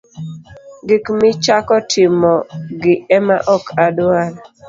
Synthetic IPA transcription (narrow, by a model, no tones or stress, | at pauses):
ɡɪkmɪt͡ʃakɔtʰɪmɔɡɪɛmaʔɔkʰadal